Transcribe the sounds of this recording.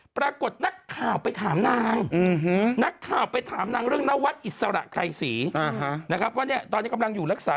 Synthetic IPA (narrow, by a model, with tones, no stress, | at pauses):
pɾaː˧ko˨˩t̪̚na˦˥kʰːaː˨˩wpa˧jt̪ʰaː˩˦mnaː˧ŋ̩˨˩ɦna˦˥kʰːaː˨˩wpa˧jt̪ʰaː˩˦mnaː˧ŋɾɯ˥˩əŋna˦˥wa˦˥t̪̚ʔi˨˩t̪̚sa˧ɾa̰˨˩ʔka˧jsiː˩˦ʔa˨˩ha˦na˦˥kʰɾa˦˥p̚ʰːɔ˦˥ni˦˥ɐt̪ɔː˧niː˦˥˩ka˧mla˧ŋjuː˨˩ɾa˦˥k̚saː˦